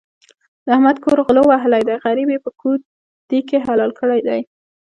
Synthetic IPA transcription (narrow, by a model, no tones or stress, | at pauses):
d̪əahmad̪koɾɣlowaɦɪlajd̪ajɣaɾibepəkʰu | d̪̥ikeɦalɑlkəɽajd̪aj